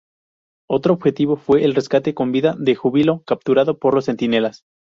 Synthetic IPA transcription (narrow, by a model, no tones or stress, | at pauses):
o̞t̪ɾoːβxe̞t̪iβo̞fwe̞ʔːlre̞skat̪e̞ko̞mbiðaðe̞xuβilo̞kap̚t̪uɾaðo̞po̞ɾlosːe̞nt̪ine̞las